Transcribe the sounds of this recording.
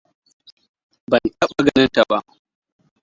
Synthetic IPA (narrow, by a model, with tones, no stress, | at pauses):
bɐ˨ntɐ˦ɓa˦ɡɐ˨nɐ˦nta˨ba˦ʔ